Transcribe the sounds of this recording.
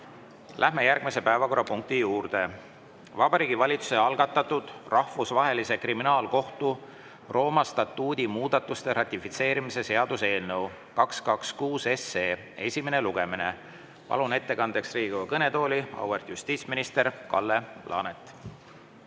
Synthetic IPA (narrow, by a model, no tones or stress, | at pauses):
lʔæhme̞jærɡ̥mise̞pæevɑko̞ɾːɑpuŋk̚t̪ijuːrd̪̥e̞ | vɑb̥ɑɾiːɡivɑlʲit̪su̥se̞ɑlɡ̥ɑt̪ːˑɑt̪ːud̪̥rɑhvusvɑɦe̞lise̞kriminɑːlko̞ht̪u | ro̞ːmɑst̪ɑt̪ːˑuːd̪̥ʲimuːd̪̥ɑt̪ːˑust̪e̞ɾɑt̪ʲːˑifit̪se̞ːɾimise̞se̞ɑd̪̥use̞ːlnɤw | kɑkskɑkskuːse̞se̞ː | e̞sʲime̞ne̞luɡ̥e̞mine̞ | pɑ̰lune̞t̪ːe̞kɑnd̪̥e̞ksriːɡ̥uɑkɤne̞t̪o̞ːlʲiɑ̰wert̪just̪iːt̪sminist̪e̞ɾkɑlːe̞plʔɑ̰ːnet̪ːˑ